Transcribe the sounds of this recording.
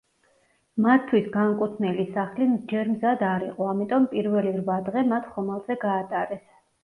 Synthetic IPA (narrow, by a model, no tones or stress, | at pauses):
mat̪ʰːwisɡaŋkʼut̪ʰnɛlisaχlid͡ʒɛɾmzad̪aɾḭqʼɔamit̪ʼɔmpʼiɾvɛliɾvad̪ʁɛmat̪ʰχɔmalˠzɛɡaːt̪ʼaɾɛs